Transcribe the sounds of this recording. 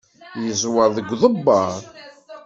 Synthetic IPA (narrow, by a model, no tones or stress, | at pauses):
jəzˤwɑðˤəɡʷːðˤəbːɑɾˤ